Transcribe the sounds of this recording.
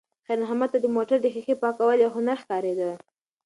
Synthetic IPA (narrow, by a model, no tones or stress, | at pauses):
xalaɦamad̪t̪ad̪əmoʈaɾd̪əxixepɑkawəljawɦʊnaɾxkɑɾed̪ə